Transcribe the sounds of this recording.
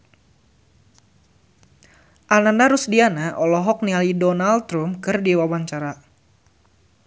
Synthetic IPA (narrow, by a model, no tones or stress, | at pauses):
ʔanandaɾusdianaʔɔlɔɦɔk̚nialidɔnalt̪ɾumkɨrdiwawaɲt͡ʃaɾa